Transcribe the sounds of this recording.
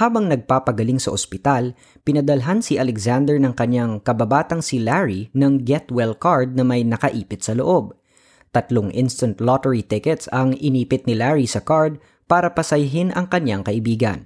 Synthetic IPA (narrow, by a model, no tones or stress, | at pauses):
haːbɐŋnɐɡ̚paːpɐɡɐliŋsɐʔospɪt̪al | pɪnɐd̪ɐlɦansɪʔɐlɛɡzand̪ɛɹnɐŋkɐɲaŋkɐbabaːt̪ɐŋsɪlaɹinɐŋɡɛt̪wɛlkaɹd̪̚nɐmɐjnɐkɐʔiːpɪt̪̚sɐloʔo̞b̚ | t̪ɐt̪loŋʔɪnst̪ɐnt̪lot̪ɛɹit̪ɪkɛt̪sɐŋɪniːpɪt̪̚nɪlaɹisɐkaɹd̪̚ | paːɾɐpɐsɐjɦɪnʔɐŋkɐɲaŋkɐʔɪbiːɡɐ̰n